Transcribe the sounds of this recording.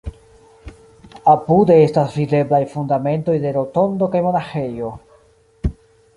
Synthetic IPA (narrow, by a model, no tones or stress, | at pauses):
apude̞estasvide̞blajfundame̞nto̞jde̞ɾo̞to̞nd̪o̞kajmo̞naxe̞jo̞